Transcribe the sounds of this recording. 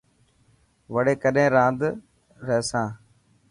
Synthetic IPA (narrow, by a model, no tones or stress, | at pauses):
ʋəɽeːkəɗẽːɾãːnd̪ | ɾɛɦsãː